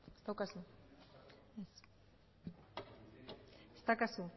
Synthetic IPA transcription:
est̪awkasu | es | est̪akasu

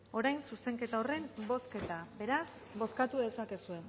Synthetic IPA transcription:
o̞ɾajnsuse̞ŋke̞t̪ao̞re̞mbo̞ske̞t̪abe̞ɾas | bo̞skat̪uðe̞sake̞sue̞

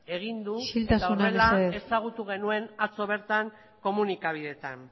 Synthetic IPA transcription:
e̞ɣ̞ind̪uʃilt̪asaurnaelsaeesaɣ̞ut̪uɣ̞e̞nue̞nat͡so̞β̞e̞ɾt̪aŋ | ko̞munikaβ̞iðe̞t̪an

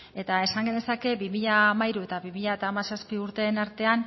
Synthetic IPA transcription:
e̞t̪ae̞saŋɡend̪e̞sake̞bimiʎaːmaiɾue̞t̪aβimiʎaet̪aːmasaspiuɾt̪e̞ːnaɾt̪e̞an

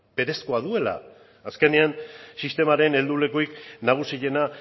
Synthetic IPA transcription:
b̥e̞ɾe̞skoaðue̞la̰ː | ske̞neansist̪e̞maɾe̞ne̞ld̪ule̞koiknaɣ̞usiʝe̞na

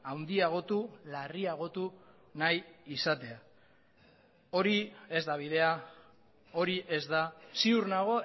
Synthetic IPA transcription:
awnd̪iaɣ̞o̞t̪ulariaɣ̞o̞t̪u | najisat̪e̞a | o̞ɾie̞zd̪aβ̞iðe̞a | o̞ɾiʔe̞zd̪asiuɾnaɣ̞o̞

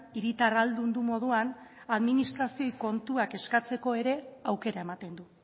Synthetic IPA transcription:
iɾit̪arald̪und̪umo̞ð̞uan | aðminist̪ɾasio̞jko̞nt̪uake̞skat͡se̞ko̞e̞ɾe̞awke̞ɾae̞mat̪e̞nd̪u

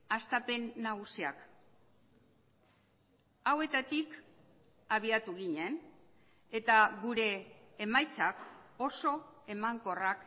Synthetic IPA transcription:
ast̪ape̞nːaɣ̞usiak | awe̞t̪at̪ik | aβ̞iat̪uɣiɲe̞n | e̞t̪aɣuɾe̞ːmajt͡sako̞so̞e̞maŋko̞rak

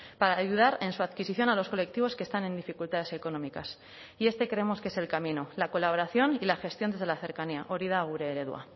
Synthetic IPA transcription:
paɾaːʝuð̞aɾe̞nsuaðkisiθjo̞nalo̞sko̞le̞k̚t̪iβo̞skest̪ane̞nd̪ifikult̪að̞e̞se̞ko̞no̞mikas | ie̞st̪e̞kɾe̞emo̞skee̞se̞lkamĩno̞lako̞laβoɾaθjo̞nilaxe̞st̪jo̞nd̪ezðe̞laθe̞ɾkaniaʔoɾiðaːɣuɾeːɾe̞ðwa̰

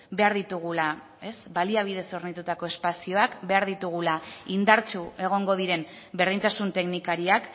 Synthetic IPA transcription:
be̞aɾðit̪uɣ̞ula | e̞sbaliaβ̞iðe̞so̞ɾnit̪ut̪ako̞e̞spasio̞akbe̞aɾðit̪uɣ̞ulaind̪aɾt͡ʃue̞ɣ̞o̞ŋɡo̞ð̞iɾe̞m | be̞ɾð̞iɲt̪asunt̪e̞knikaɾiak

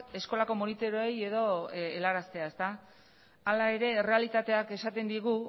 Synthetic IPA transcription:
e̞sko̞lako̞monit̪o̞ɾoeje̞ðo̞elaɾast̪e̞aest̪a | alae̞ɾe̞re̞alit̪at̪e̞ake̞sat̪e̞nd̪iɣ̞u

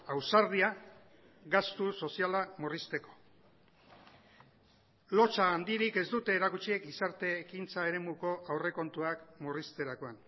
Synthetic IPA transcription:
awsaɾðia | ɣast̪uso̞sialamorist̪e̞ko̞̥ | lo̞t͡ʃaːnd̪iɾike̞zd̪ut̪e̞ːɾakut͡ʃie̞kisaɾt̪e̞ːkint͡sae̞ɾe̞muko̞ʔawre̞ko̞nt̪uakmorist̪e̞ɾako̞an

